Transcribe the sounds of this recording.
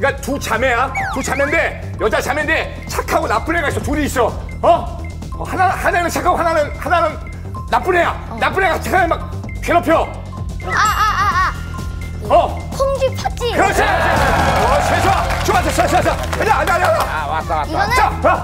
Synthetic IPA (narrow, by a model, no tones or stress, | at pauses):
k͈atut͡ɕamejatut͡ɕamende̞ | jʌd͡ʑat͡ɕamende̞ | t͡ɕʰakʰaɡonap͈unɦeɡaisʰʌtuɾiːs͈ʌ | ʌ | hanahanenɯnt͡ɕʰakʰaɡohananɯnhananɯn | nap͈unɦe̞ja | nap͈unɦeɡat͡ɕʰakʰanɯnmak̚ | keɾʌpʰjo | ʌ | pʰoŋd͡ʑipʰat͡ɕ͈ikɯɾʌsʰe | sʰesʰʌt͡ɕʰmasʰʌt͡ɕʰoasʰas̬ʰʌaɲaaɲeaɲeaaas͈t͡ɕaa